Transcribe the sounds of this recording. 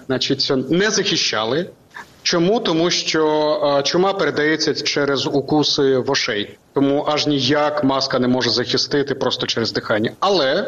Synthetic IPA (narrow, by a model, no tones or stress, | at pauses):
nɑt͡ʃitʲnɛzɐxʲɪʃt͡ʃːɑlˠɪ | t͡ʃɔmut̪ɔmuʃt͡ʃɔt͡ʃʊmɑpeɾed̪ɐjɛt͡sʲːɐt͡ʃɛɾezukusɪʋɔʃɛjt̪ɔmuʔɐʒnʲijakmɑskɐnɛmɔʒɛzɐxʲɪst̪ɪt̪ɪpɾɔst̪ɔt͡ʃɛɾezd̪ɪxɑnʲːɐɐlˠɛ